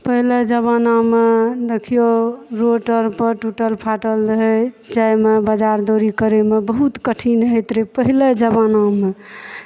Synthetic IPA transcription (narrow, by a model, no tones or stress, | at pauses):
pəɦiled͡ʒəβanamed̪ekʰijoɾoʈəɾpəɾʈuʈəlpʰaʈəldəɦɛ | d͡ʒajmebəd͡ʒaɾd̪oɾikəɾemebəɦut̪kəʈʰinɦet̪ɾepəɦiled͡ʒəbaname